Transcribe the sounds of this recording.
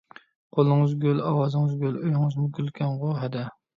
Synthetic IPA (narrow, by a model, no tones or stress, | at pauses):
qʰolˠɨŋɨzɡʲølɑwɑːzɨŋɨzɡʲøløjŋɨzmuɡʲylkʲʰɛŋʁohɛd̪ɛ